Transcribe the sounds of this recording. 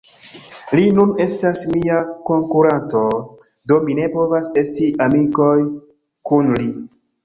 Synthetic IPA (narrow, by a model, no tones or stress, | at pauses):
linune̞stasmiako̞ŋkuɾanto̞ | do̞mine̞po̞vase̞stiʔamiko̞j | kunli